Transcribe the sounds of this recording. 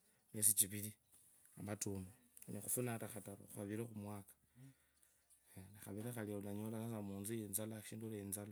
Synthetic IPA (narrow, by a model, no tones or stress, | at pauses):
mesit͡ʃiβili | amatumonixufunataxataɾo̰xuaβiɾexumwaːkḁ | enexaβiɾexalioulaɲolaasamuːnziinzalaʃiːndulenzala